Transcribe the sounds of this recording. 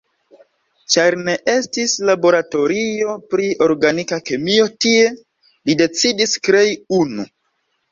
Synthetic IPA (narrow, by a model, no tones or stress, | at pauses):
t͡ʃaɾne̞ʔe̞stislabo̞ɾato̞ɾio̞pɾio̞ɾɡanikake̞mio̞tie̞ | lide̞t͡sidiskɾe̞junu